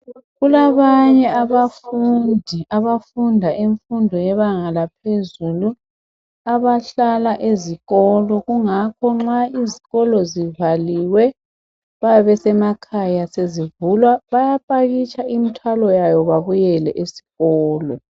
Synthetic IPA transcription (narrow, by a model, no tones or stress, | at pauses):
ɣulaβaɲɛaβafundʱiaβafundʱaʔeɱfundʱɔjɛβaŋalapʰezulu | aβaɬalaʔeziɣɔlɔɣuŋakʰɔŋ͡ǁaiziɣɔlɔzivaliwɛ | βajaβɛsɛmakʰajasezivulwaβajapʼaɣit͡ʃʼaimitʰwalɔjajɔβaβujɛlɛʔesi̥ɣɔːlɔ̰